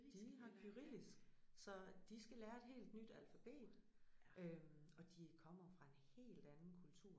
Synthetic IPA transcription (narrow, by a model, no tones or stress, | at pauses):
d̥iɦɑ̈kʰyʁḭð̰ˠisɡ̥sɒ̽d̥isɡ̥ælæːɐe̝d̥ɦe̝̰ːld̥nyd̥ælfæb̥e̝̰ːd̥ | ʔøɒ̽d̥ikʰɒ̽m̰ɐfʁɑ̈e̝nhe̝̰ːld̥ænn̩kʰult͡sʰuɐ̰